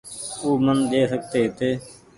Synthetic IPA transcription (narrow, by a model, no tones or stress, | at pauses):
uːmənɗ̪eːsək̚t̪eːɦt̪eː